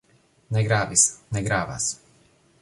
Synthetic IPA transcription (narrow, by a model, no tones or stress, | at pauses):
nɛɡɾaːʋisnɛɡɾaːʋa̰s